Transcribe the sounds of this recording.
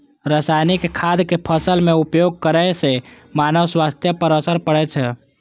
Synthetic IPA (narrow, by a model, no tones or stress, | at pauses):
ɾəsajnikkʰad̪kepʰəsəlmeupjoɡ̚kəɾəjse | manəʋswast̪jəpəɾəsəɾpəɽɛt͡ʃʰɛ